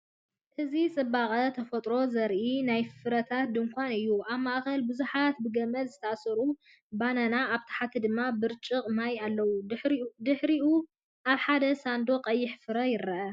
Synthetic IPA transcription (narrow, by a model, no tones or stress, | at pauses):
hɨzit͡sʼɨbaχʼɐt̪ʰɐfɐt̪ʼɾo̞zɐɾʔinajffɨɾɐt̪ʰat̪̚d̪ɨŋkʷʰanɨjːuʔaβmaʔxɐlbɨzuħat̪̚bɨɡɐmɐlzɨt̪ʰɐʔasɐɾu | bananaːβt̪ʰḁħat̪ʰid̪ɨmːabɨɾt͡ʃʼɨqʼmajalːɐwud̪ɨħɾiʔu | ʔaβħad̪ɐsand̪o̞qʼɐjːɪħfɨɾɐjɪɾːɐʔɐ